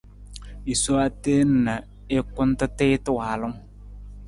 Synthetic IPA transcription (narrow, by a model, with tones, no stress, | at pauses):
i˨so˦a˦teː˦n̩˨na˨ | ɪ˦kʊ˦n˦tɨ˦tɪː˦tɪ˦waː˨lʊ˦ŋ